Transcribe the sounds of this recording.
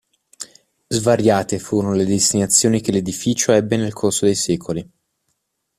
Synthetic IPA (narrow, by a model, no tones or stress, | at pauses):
zvaɾjaːt̪efuːɾonoled̪est̪inat̪sːjoːnik̟eled̪ifiːt͡ʃoɛbːenelkʰorsod̪ejsɛːkʰoli